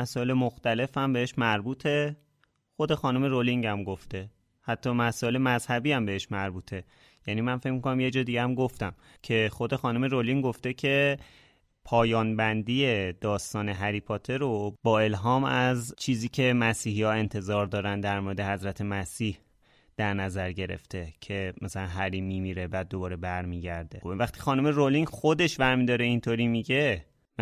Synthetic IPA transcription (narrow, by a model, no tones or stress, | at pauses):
æsɒːelemoxt̪æle̞fæmbe̞heʃmæɾbuːt̪ʰe̞ | xo̞d̪e̞xɒːnume̞ɾoliŋɟæmɡoft̪e̞ | hæt̪ʰːɒːmæsɒːe̞lemæzhæbiːæmbe̞heʃmæɾbuːt̪ʰe̞ | jæniːmænfe̞cmiko̞næmje̞d͡ʒɒːd̪iɟeæmɡoft̪æm | cʰe̞xo̞d̪e̞xɒːnume̞ɾoliŋɡoft̪e̞cʰe̞ | pʰɒːjɒːnbænd̪iːjed̪̥ɒːst̪ɒːne̞ɦæɾiːpʰɒt̪ʰe̞ɾobɒːe̞lɦɒːmæzt͡ʃʰiːziːcʰe̞mæsiːɦijɒːe̞nt̪ʰe̞zɒːɾd̪ɒːɾænd̪æɾmoːɾed̪e̞hæzɾæt̪ʰe̞mæsiːh | d̪̥æɾnæzæɾɟe̞ɾe̞̰ft̪e̞cʰe̞mæsælænɦæɾiːmːimiːɾebæːd̪̚ːobɒːɾe̞bæɾmiːɟæɾd̪e̞væxt̪ʰi̥xɒːnume̞ɾolinxod̪e̞ʃvæɾmid̪ɒːɾeint̪ʰoɾiːmiɟe̞ | m